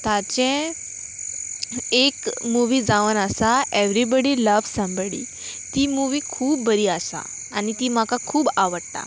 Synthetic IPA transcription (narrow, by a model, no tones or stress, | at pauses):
t̪at͡ɕɛ̃ | ekmuʋiːd͡zaʋənəsaeʋɾibəɽiləʋsə̃mbəɽḭ | t̪iːmuʋiːkʰuːb̚ːəɾiːasa̰ː | nit̪iːm̤akakʰuːbaʋəɽt̪a̰